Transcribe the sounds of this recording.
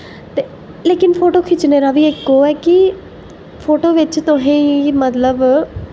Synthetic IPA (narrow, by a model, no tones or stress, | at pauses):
t̪eː | leːkɪnpʰoːʈoːkʰɪt͡ʃneːɾaːʋiːɪkːoːɛːkɪ | pʰoːʈoːʋɪt͡ʃt̪ʊɦẽːimət̪ləb